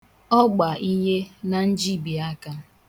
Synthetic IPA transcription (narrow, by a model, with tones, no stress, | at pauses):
ɔ˦ɡ͡ba˨ʔi˦ɦe˦na˨n̩˦d͡ʒi˦bi˨a˦ka˦